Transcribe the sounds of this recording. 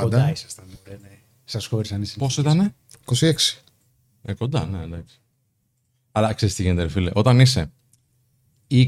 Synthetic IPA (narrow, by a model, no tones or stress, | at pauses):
d̪isɐst̪ɐnepɾene | sɐsxo̞ɾisɐnisɐposit̪ɐne̞ | ko̞sieksi̥ | eko̞nd̪ɐ̰nend̪ɐksi̥ | ɐlɐkseɾist̪iʝent̪eɾfileʔo̞t̪ɐnise̞ | i